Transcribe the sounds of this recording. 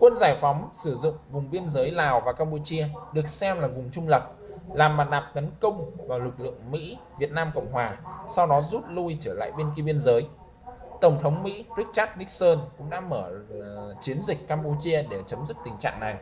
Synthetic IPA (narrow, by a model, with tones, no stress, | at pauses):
kwə˧nzaː˧˩jfa˨˦wŋ͡msɨ˧˩zʊ̰˧˨ŋ͡mvʊ˨˩ŋ͡mɓi˧ənzəː˨˦jlaː˨˩wvaː˨˩kaː˧mpu˧t͡ɕi˧əɗɨ˨˩ək̚sɛ˧mlaː˨˩vʊ˨˩ŋ͡mt͡ɕʊ˧ŋ͡mlə˨˩p̚ | laː˨˩mɓaː˨˩ɗaː˨˩p̚t̪ə˨˦nkə˧wŋ͡mvaː˨˩wlɨ˨˩k̚lɨ̰˧˨əŋmḭ˧˥vi˨˩ət̚naː˧mkə̰˧˨wŋ͡mɦwaː˨˩sa˧wɗɔ˨˦zu˦˥t̚lu˧jt͡ɕəː˧˩la̰ː˧˨jɓi˧ənk̬i˧ɓi˧ənzəː˨˦j | t̪ə˧˩ŋ͡mt̪ʰə˨˦wŋ͡mmḭ˧˥ɹi˦˥k̚t͡ɕaː˦˥t̚nï˦˥k̚səː˧nkʊ̰˧˥ŋ͡mɗa̰ː˧˥məː˧˩t͡ɕi˨˦ənzï˨˩k̟̚kaː˧mpu˧t͡ɕi˧əɗe˧˩t͡ɕə˨˦mzi˦˥k̚t̪ï˨˩ŋ̟t͡ɕa̰ː˧˨ŋna˨˩j